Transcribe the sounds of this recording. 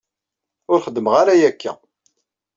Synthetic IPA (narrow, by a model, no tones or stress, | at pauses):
ʊɾχəd̪ːməʁaɾæjækʰːæ̰